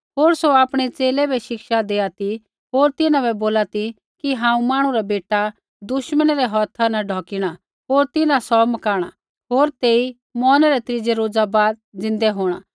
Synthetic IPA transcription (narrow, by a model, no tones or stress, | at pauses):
ɦoːɾsoaːpɽ̃ɛt͡seːlɛbɛʃɪkʃad̪eːat̪i | ɦoːɾt̪ɪnãbɛboːlat̪i | kiɦãːũmaːɽ̃ũɾabeːʈa | d̪ʊʃməñɾɛɦɔt̪ʰanɐɖʱɔːkɪɽ̃a | ɦoːɾt̪ɪnãsɔmɐkaːɽ̃a | ɦoːɾt̪eːi | mɔːnɾɛt̪ɾɪd͡zɛɾoːd͡zabaːd̪̚d͡zɪ̃nd̪ɛɦoːɽ̃a